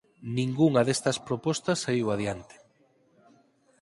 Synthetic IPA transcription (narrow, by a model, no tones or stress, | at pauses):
nĩŋɡuŋɐðest̪ɐspɾopɔst̪ɐsːaiwað̞jant̪ɪ̥